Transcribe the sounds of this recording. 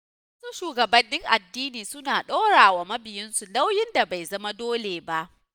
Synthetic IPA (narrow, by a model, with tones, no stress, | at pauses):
ɐ˦su˦ʃuː˨ɡɐ˨bɐ˨nːɪ˦ŋʔa˨dːiː˦niː˨sʊ˦naː˨ɗoː˦ɽaː˨wa˨mɐ˦bɪ˨jɪ˦nsu˨la˦wjɪ˦nda˨ba˨jzɐ˦ma˦doː˦leː˨ba˦ʔ